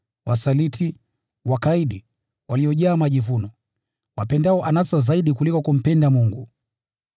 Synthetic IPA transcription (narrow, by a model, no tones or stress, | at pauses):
wasalitʰi | wakaiɗi | waliɔʄaːmaʄivunɔ | wapɛndaɔʔanasɔzaiɗikulikɔkum̩pɛndamuŋɡu